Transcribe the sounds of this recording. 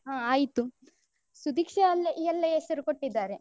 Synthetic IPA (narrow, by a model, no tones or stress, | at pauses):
ɦãːaːjit̪u | sud̪ʱikʂɐɐlːeʔijɐlːeesɐɾukoʈːid̪ːaːɾe